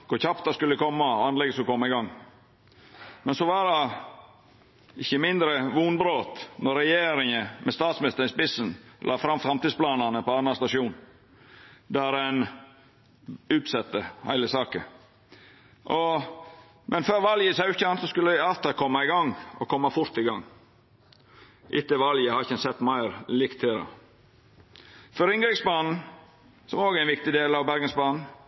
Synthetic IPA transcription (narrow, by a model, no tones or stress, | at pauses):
kʰʊɾçɑpt̪ɑskʉlːəkʰɔmːɑɔɑnlɛɡəsɔkʰɔmːɑɪɡɑŋː | mɛnsɔʋɑːɾɑ | ɪçəmɪnd̪ɾəʋuːnbɾoːt̪nɔɾɛjeːɾɪŋəmɛst̪ɑːt̪smɪnɪst̪əɾɪspɪsənlʔɑːfɾɑmfɾɑmt̪iːsplɑːnɑnəpɔɑnɑst̪ɑʂuːn | d̪æɾɛn | ʉːt̪sɛt̪ːəhæ̰ɪləsɑːkə | ʔɔ | mʔɛnføːɾʋɑljəsɑʉçəɑnsɔskʉlːəɪɑlt̪ɑkʰɔmːɑɪɡɑŋɔ̰kʰɔmːɑfʊɾt̪ɪɡɑŋː | ʔɪt̪ːəʋɑljəhɑɾɪçɛnsɛt̪ːmæɪɾlɪkt̪ʰːeɾɑ̰ | fɔɾɪŋɡɾɪksbɑːnn̩ | sɔmoːɡæɪnʋɪk̚t̪ɪd̪eːlɑʋbæɾɡənsbɑːnn̩